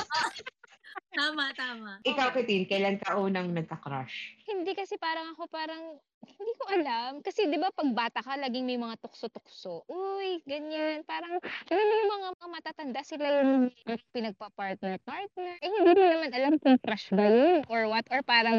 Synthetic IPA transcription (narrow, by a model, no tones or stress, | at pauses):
aːmɐt̪aːmɐʔɪkawkɪt̪inkɐjlankɐʔuːnɐŋnɐɡ̚kɐkɾaʃhɪnd̪ikɐsɛpaːɾɐŋɐko̞paːɾɐŋ | hɪnd̪iːko̞ʔɐlamkɐsɛd̪ɪbapɐɡ̚baːt̪ɐkɐlaːɡɪŋmɐjmɐŋat̪ʊksot̪ʊk̚soʔojɡɐɲanpaːɾɐŋkɐjonjŋmɐŋaamɐt̪aːt̪ɐnd̪asɪlajʊnʔaŋpɪnɐɡ̚pɐpaɹt̪̚nɛɹpaɹt̪̚nɛɹʔɛhɪnd̪iːmɪnɐmanʔɐlamkʊŋkɾaʃɡɐjonʔoɹwɐt̪ʔoɹpaːɾɐŋ